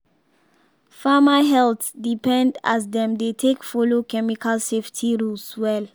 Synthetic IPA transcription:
famaɦɛltdipɛ̃ndasdɛ̃mdetʰekfɔlokɛmikʰalseftʰiɹulswɛl

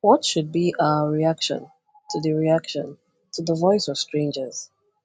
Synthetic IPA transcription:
wɔtʃud̚biʔaəɹiakʃɔ̰̃n | tʰuðəɹiakʃɔ̰̃n | tʰuðəvɔɪsɔv̥stɹ̥ẽɪ̃nd͡ʒəz̥

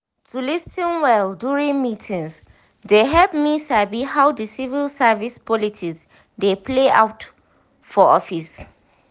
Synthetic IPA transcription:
tʰulisĩnwɛldjuɹĩnmitʰĩŋs | deɦɛlp̚misabihawdəsivilsavispʰɔlitʰiks | depʰlea̰ʊt | fɔɔfis

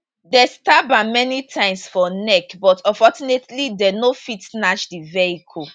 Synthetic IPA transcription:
dɛstabamɛnitʰãɪ̃msfɔnɛkbɔtʰɔfɔt͡ʃunetlidɛnofitnat͡ʃdiveikʰɔl

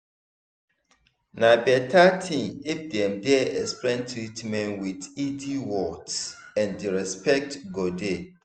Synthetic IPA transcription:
nãbɛtʰatʰĩŋef̚dɛ̃mdɛɛspɹɛ̃ntʰɹitmɛ̃nwididiwɔtɛ̃ndiɹɛspɛk̚tɡɔde

